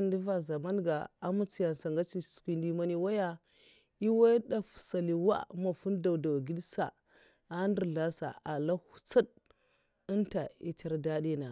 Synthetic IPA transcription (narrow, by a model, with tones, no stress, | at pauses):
ndi˦va˨za˨ma˦nɡa˨a˦mu˦t͡si˦ja˨nsa˨ŋɡa˦t͡ʃi˨su̥˨kʷi˨ndi˦ma˦ni˦wa˦ja˦ | i˦wa˦ɗa˨fu̥˨sa˨li˨wa̰˦ma˨fu˦nda˨wda˨wa˨ɡi˦dsa̰˨ | a˦ndə˨ɾɮa˦sa̰˨a˨la˦hu̥˦t͡sa˦d̚ | ə˦nta˨ḭ˦t͡ʃa˦ɾda˦di˦na˨